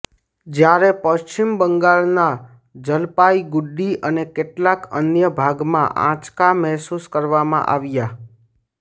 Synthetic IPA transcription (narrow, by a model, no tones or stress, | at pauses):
d͡ʒjaɾepəʃt͡ʃimbəŋɡaɭna | d͡ʒəlpaiɡʊɖːiʔənekeʈlakənjəbʱaɡmã̰ʔã̰t͡ʃkamɛɦsuskəɾʋamã̰ʔa̰ʋja